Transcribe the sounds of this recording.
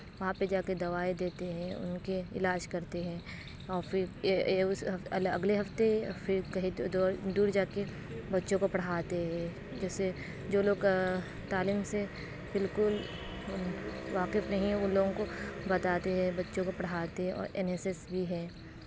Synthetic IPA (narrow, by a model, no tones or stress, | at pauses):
ʋɐɦãped͡ʒaːked̪ɐʋaːed̪eːt̪eɦɛ̃ʊ̰nkeɪlaːʃkɐɾt̪eɦɛ̃ː | ɔːɾfɪɾʊsɦɐlɐ̰ɡleɦɐft̪efɪɾkɐɦid̪ɔːd̪uːɾd͡ʒaːke | bɐtːʃõkopɐɽ̤aːt̪eɦɛ̃ | d͡ʒɛːse | d͡ʒoːloːɡ | t̪aːliːmse | bɪlkʊl | ʊʋaːqɪfnɐɦĩʊnloːɡõkobɐt̪aːt̪eɦɛ̃bɐtːʃõkopɐɽ̤aːt̪eɦɛ̃ɔ̰ːɾɛ̰nesesbʱiɦɛ̃ː